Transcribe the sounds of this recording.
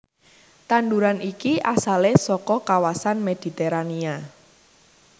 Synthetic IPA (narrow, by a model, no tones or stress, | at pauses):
t̪anɖ̪uɾanʔikiʔasalesɔkɔkawasanmed̪̥i̤t̪eɾania